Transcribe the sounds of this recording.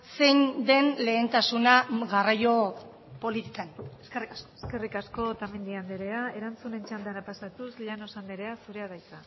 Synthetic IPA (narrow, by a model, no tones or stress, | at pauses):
se̞jnd̪e̞nle̞ːnt̪asunaɣarajo̞ | po̞lit̪ikaneske̞rikaskoske̞rikasko̞t̪amend̪iand̪eɾe̞ae̞ɾant͡sune̞nt͡ʃand̪anapasat̪usʎano̞sand̪eɾe̞asuɾe̞aðajt͡s̪a